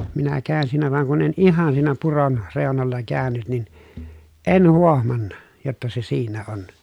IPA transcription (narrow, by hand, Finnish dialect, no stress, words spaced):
minæ kæːn siːnæ ʋɑŋ kun en ihɑn siːnæ puron reˑonolːɑ kæːnyt nin en huohmɑnːɑ jotːɑ se siːnæ on